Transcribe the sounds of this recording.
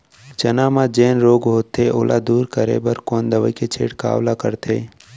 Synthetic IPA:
t͡ʃɐnaːmãd͡ʒeːnɾoːɡɦoːt̪eʔo̰ːlʔad̪uːɾkəɾḛbəɾkoːnd̪əʋəket͡ʃʰḛːɽka̰ːʋlakəɾt̪ʰḛː

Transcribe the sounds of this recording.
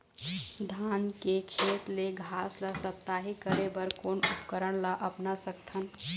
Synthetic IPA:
d̪ʱaːnkekʰeːt̪leɡʱaːslasəp̚t̪aːɦikəɾebəɾkoːnʊpkəɾəɽ̃laʔɐpnasəkt̪ʰən

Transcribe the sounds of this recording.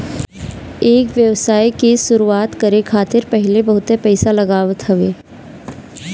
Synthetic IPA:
eːkʋjəʋsaːikisʊɾuaːt̪kɐɾekʰaːt̪ɪɾpɛɦɪlebɐɦʊt̪epɛːsalɐɡaːʋət̪ɦɐʋeː

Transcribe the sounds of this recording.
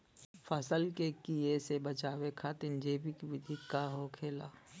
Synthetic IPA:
fʰəsəlkekiesebət͡ʃaːwekʰat̪ɪnd͡ʒeːpikiʋɪd̪ʱikaɦokʰeːlaː

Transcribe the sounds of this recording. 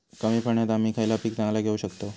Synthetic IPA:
kəmiːpʰəɳjat̪am̤iːkʰajlapiːk̚t̪ãŋlaɡʱeuɕəkt̪o

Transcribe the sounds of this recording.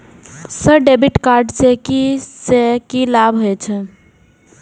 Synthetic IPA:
səɖebiʈkaɾɖsekisekilabɦojt͡ʃʰɛ

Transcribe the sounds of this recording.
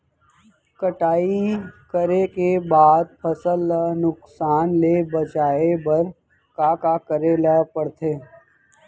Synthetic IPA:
kəʈaːikəɾekebaːd̪̚pʰɐsəlːənʊksaːnlebɐt͡ʃaːebɐɾ | kaːkakəɾelɛːpəɽt̪eː

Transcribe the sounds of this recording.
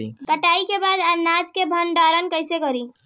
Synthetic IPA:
kəʈaikebad̪anad͡ʒkebʱənɖaɾənkəjsekəɾi

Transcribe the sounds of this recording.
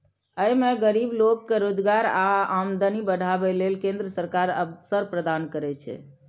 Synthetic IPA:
əjmeɡəɾiblokːeɾod͡ʒɡaɾaamd̪ənibəɽ̤ʱabɛlelkẽnd̪ɾəsəɾkaɾə̰bsəɾpɾəd̪ankəɾɛt͡ʃʰɛ̰

